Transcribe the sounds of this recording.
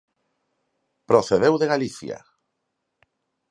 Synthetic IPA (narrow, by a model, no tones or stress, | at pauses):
pɾoθeðewðeɣaliθja̰